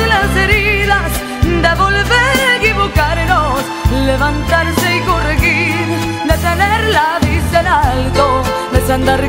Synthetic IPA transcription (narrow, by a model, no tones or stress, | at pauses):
lase̞ɾiðas | nd̪e̞βo̞lβeɾkiβokaɾenos | leβant̪aɾseikorɣiɾ | d̪e̞t̪eneɾlaðisd̪elalt̪o | d̪et͡ʃand̪aɾ